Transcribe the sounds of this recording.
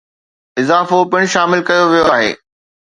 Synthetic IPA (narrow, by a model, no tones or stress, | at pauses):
ɪzaːfopɪɽ̃ʃaːmɪlkɐjoʋijoaːɦḛː